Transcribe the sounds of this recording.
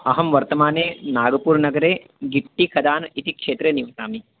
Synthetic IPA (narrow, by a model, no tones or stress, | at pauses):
ɐɦɐmʋɐɾt̪ɐmaːneːnaːɡɐpuːɾnɐɡɐɾeː | ɡiʈːikʰɐd̪aːnit̪ikʂeːt̪ɾeniʋɐt̪aːmi